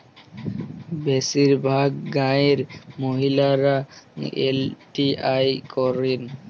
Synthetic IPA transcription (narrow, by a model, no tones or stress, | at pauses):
bɛsiɾbʱaɡ̚ːaeɾmoɦilaɾaḛlʈiajkɔɾin